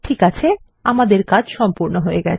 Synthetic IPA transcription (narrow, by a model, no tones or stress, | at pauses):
ʈʰikat͡ɕʰe | amad̪eɾkad͡ʑʃɔmpuɾnoɦoeɡɛ̰t͡ɕ